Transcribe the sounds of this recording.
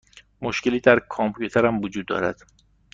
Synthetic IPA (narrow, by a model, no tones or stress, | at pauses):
moʃce̞liːd̪æɾkʰompʰjut̪ʰeɾæmvod͡ʒuːd̪̚ːɒ̰ːɾæ̰d̪̥